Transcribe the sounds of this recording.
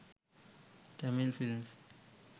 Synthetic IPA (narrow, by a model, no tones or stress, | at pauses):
d̥amilfilms